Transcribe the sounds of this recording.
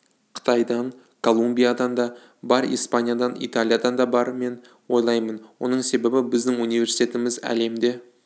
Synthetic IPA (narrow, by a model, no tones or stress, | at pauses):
qʰə̥t̪ɑjd̪ɑɴ | kʰo̞lˠumbijad̪ɑnd̪ɑ | bɑɾḭjspanʲijad̪ɑnʔḭt̪alʲˠijad̪ɑnd̪ɑbɑɾme̞n | wo̞jlˠɑjmənwo̞̰nəɴse̞be̞bɪbɪzd̪ɪŋunivʲe̞ɾsi̥t̪ʰʲe̞t̪ɪmɪzæ̰le̞md̪e̞